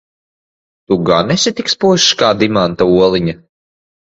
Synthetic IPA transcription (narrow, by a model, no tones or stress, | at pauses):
t̪uɡanɛsʲit̪ʲikspuʃkaːd̪imant̪auɔlˠiɲɐ